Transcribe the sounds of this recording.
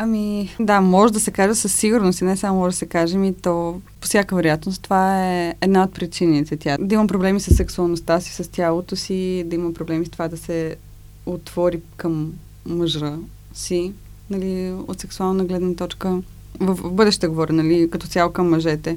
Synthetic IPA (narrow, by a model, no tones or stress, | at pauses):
ɐmid̪amɔʒed̪ɐsɛkaʒɛsəsːiɡʊɾnost̪inɛsamomɔʒd̪sɛkaʒɛmit̪ɔpo̥sʲjakəvɛɾojat̪nost̪ovaɛːd̪naot̪̚pɾit͡ʃinit̪ɛt̪ʲjad̪ɐimɐpɾoblɛmisəsːɛksuɐlˠnost̪asi̥səst̪ʲalˠot̪osid̪ɐimɐpɾoblɛmist̪ovad̪ɐsɛ | ot̪v̥ɔɾikəmː | əʒɾə | si | nɐlio̰t̪sɛksualˠnɐɡlɛd̪nət̪ɔt͡ʃkə | vəfvbɤd̪ɛʃt̪t̪əɡovɔɾʲinɐlikɐt̪ɔtsʲalˠokɐmːɐʒɛt̪ɛ